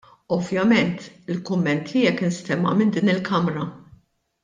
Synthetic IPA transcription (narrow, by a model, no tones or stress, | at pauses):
ɔvjɐmɛnt̪ɪlkʊmːɛnt̪ʰijɛkːɪnst̪ɛmːɐ̰mɪnd̪iːnɪlkʰɐmɾɐ